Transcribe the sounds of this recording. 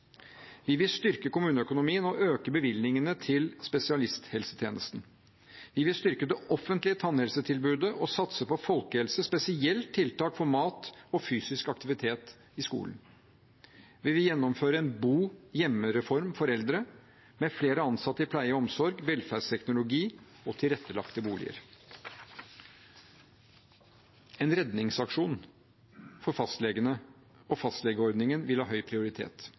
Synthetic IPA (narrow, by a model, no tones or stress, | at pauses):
ʋɪʋɪlst̪ʏɾkəkʊmʉːnəœkʊnʊmiːənɔøːkəbəʋɪlnɪŋənət̪ʰɪlspɛsɪɑlɪst̪hɛlsət̪ʰjeːnəst̪n̩ | ʋɪʋɪlst̪ʏɾkəd̪ɛʔɔfːənt̪lɪət̪ʰɑnhɛlsət̪ʰɪlbʉːd̪əʔɔsɑt̪səpɔfɔlkəhɛlsəspɛsɪɛlt̪ʰːɪlt̪ɑːkfɔɾmɑːt̪ɔfyːsɪskɑk̚t̪ɪʋɪt̪ʰeːt̪ | ɪskṵːlən | ʋɪʋɪjɛnːɔmføːɾəɛnbuːjɛmːəɾɛfɔɾmfɔɾɛld̪ɾə | mɛfleːɾəɑnsɑt̪ːəɪpʰlæɪəɔmsɔɾɡʋɛlfæɖst̪ʰɛknʊlʊɡiː | ɔt̪ʰɪlɾɛt̪ːəlɑ̰kt̪əbuːlɪ̰ə̰ɾ | ɛnɾɛd̪nɪŋsɑkʂuːn | fɔɾfɑst̪lɛɡənə | ɔfɑst̪lɛɡəɔɾd̪nɪŋənʋɪlhɑːɦœʏpʰɾɪʊɾɪt̪ʰḛːt̪